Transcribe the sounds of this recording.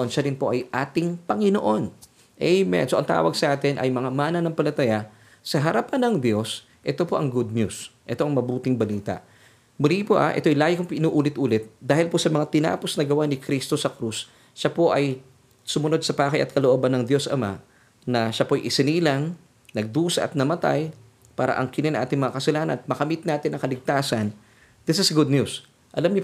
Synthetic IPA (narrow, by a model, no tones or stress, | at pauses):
nʃaɾɪnpo̞ʔɐjʔaːt̪ɪŋpɐŋɪnoʔo̞n | ʔɛjmɛ̰nsoʔɐ̰ŋt̪a̰ːwɐɡ̚sɐʔaːt̪ɪnʔɐ̰jmɐŋamaːnɐnɐŋpɐlɐt̪ɐja | sɐɦɐɾapanːɐŋd̪jo̞s | ʔɛt̪o̞po̞ʔɐŋɡud̪̚ɲusʔɛt̪o̞ɐŋmɐbuːt̪ɪŋbɐliːt̪ɐ̰ʔ | mʊlipoʔa̰ʔɛ̰t̪ojlaːjɪkʊŋʔɪnuːʔuːlɪt̪ʔuːlɪt̪̚d̪aːhɪlposɐmɐŋat̪ɪna̰ːpo̞snɐɡɐwanɪkɾist̪o̞sɐkɾusː | apo̞ʔɐj | sʊmʊno̞d̪̚sɐpaːkɐjʔɐ̰t̪̚kɐloʔobɐnːɐŋd̪jo̞sʔɐ̰ma | nɐʃapoɐjʔɪsɪniːlɐŋ | nɐɡ̚d̪uːsɐ̰ʔɐt̪̚nɐmɐt̪a̰j | paːɾɐ̰ʔɐ̰ŋkɪnɪnɐŋʔaːt̪ɪŋmɐŋakɐsɐlaːnɐ̰nmɐkɐmit̪̚naːt̪ɪnɐŋkɐlɪɡ̚t̪aːsɐn | d̪ɪsɪsɡʊd̪̚ɲus | ʔɐlamɲo